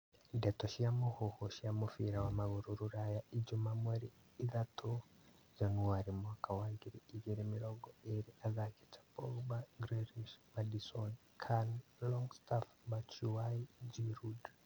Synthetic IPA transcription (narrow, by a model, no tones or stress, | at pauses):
dɛtɔʃiamohɔhɔʃiamofiɾawamaɣuɾuɾuɾajaid͡ʒumamwaɾiː | ðatʰo | d͡ʒanuaɾimwakawaŋɡiɾiːɣiɾimiɾɔɡɔeɾiʔaðakɛ̥t͡ʃḁpɔbaɡɾɛɾiʃmadisɔn | kʰanlɔŋstafbat͡ʃuwaid͡ʒiɾud